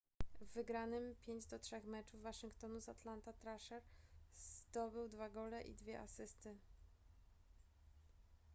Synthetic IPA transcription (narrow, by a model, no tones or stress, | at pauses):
vːɘɡɾanɘmpʲjeɲd͡ʑd̪ɔtʂɛxmɛt͡ʂuvːaʂɘŋkt̪ɔnuzat̪lant̪at̪ɾaʂɛɾz̥d̪ɔbɘwd̪vaɡɔlɛʔḭd̪vʲjɛʔa̰sɘst̪ɘ